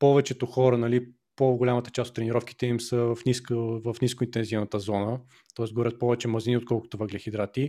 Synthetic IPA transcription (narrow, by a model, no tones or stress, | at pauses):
pɔvɛt͡ʃɛt̪oxɔɾənɐli | poɡolʲamət̪ə̥t͡ʃast̪ot̪ːɾɛniɾɔfki̥t̪ɛimsəvɐfniskəvɐfniskʊint̪ɛnzivnət̪əzɔnə | t̪ɔɛsɡoɾʲət̪̚pɔvɛt͡ʃɛmɐziniot̪̚kɔlˠkʊ̥t̪ʊvɐɡlʲɛxid̪ɾat̪i